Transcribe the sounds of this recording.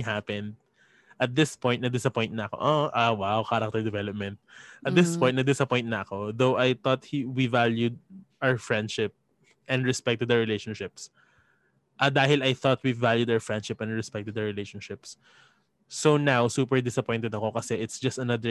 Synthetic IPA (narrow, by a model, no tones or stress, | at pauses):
hapɛ̃nd̪̚ | ʔɐt̪̚d̪ɪspɔj̃t̪̚nɐd̪ɪsɐpɔjnt̪̚nɐɐko̰ʔoʔawawkaɾɐk̚t̪ɛɹd̪ɛvɛlɔp̚mɛ̃nt̪̚ʔɐt̪̚d̪ɪspɔ̃j̃t̪nɐd̪ɪsɐpɔjnt̪̚nɐʔɐko̞ðowʔajθɔt̪̚hiwivaljud̪̚ʔawəɹfɹɛ̃nd̪ʃɪp̚ | ʔɛ̃nd̪ɹɛspɛk̚t̪ːʊd̪ɐɹɪlejʃɔ̃nʃɪps | ʔɐd̪aːhɪlɐjθɔt̪̚wivaljud̪awəɹfɹɛ̃nd̪ʃɪpɛ̃nd̪ɹɛspɛk̚t̪ːʊd̪ɐɹɪlejʃɔ̃nʃɪpsː | onawsuːpɛɹd̪ɪsɐpɔj̃nt̪ɛd̪ɐko̞kɐsɛʔɪt̪sd͡ʒɐst̪ɐnɐðə